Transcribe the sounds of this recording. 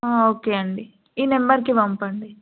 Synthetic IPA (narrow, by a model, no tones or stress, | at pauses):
aːoːkeɐɳɖi | iːnembɐɾkeʋɐmpɐɳɖi